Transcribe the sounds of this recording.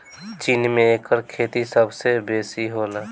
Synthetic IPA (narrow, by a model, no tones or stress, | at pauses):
t͡ʃiːnmẽekəɾkʰeːt̪isəbsebeːsiɦoːlaː